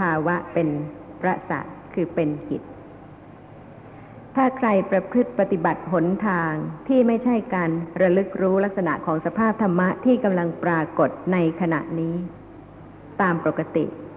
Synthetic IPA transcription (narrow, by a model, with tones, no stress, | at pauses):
pʰaː˧wa˦˥ʔpe˧npʰɾa˦˥ʔsa̰˨˩kʰɯː˧pe˧nkʰḭ˨˩t̪̚ | t̪ʰaː˥˩kʰɾa˧jpɾa˧kʰɾɯ˥˩t̪̚pa˧t̪i˨˩ba˨˩t̪̚ɦo˩˦nt̪ʰaː˧ŋt̪ʰiː˥˩ma˥˩jt͡ɕʰa˥˩jkaː˧nɾa˧lɯ˦˥k̚ɾuː˦˥la˦˥k̚sa˧na̰˨˩ʔkʰɔː˩˦ŋsa˧pʰaː˥˩p̚t̪ʰa˧mːa˦˥ʔt̪ʰiː˥˩ka˧mla˧ŋpɾaː˧ko˨˩t̪̚na˧jkʰa˧na̰˨˩ʔniː˦˥ | t̪aː˧mpo˨˩kːa˧t̪ḭ˨˩ʔ